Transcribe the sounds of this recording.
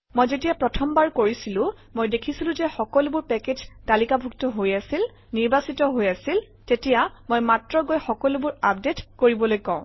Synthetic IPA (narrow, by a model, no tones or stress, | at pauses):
mojzetijapɹɔtʰɔmbaɹkoɹisilʊ̃ | mojdekʰisilʊ̃zɛxɔkɔlʊbʊɹpɛked͡ʒtalikabʱuktɔɦojasil | niɹbasitɔɦojasil | tetijamojmatɹɔɡojxɔkɔlubʊɹap̚detkoɹibɔlojkɔ̃ʊ̃